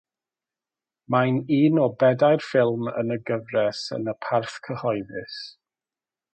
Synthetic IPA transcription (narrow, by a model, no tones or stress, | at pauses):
majniːnɔbɛdajrfɪlˠmə̰nəɡəvrɛsə̰nəpʰarθkʰəhɔɨðɪs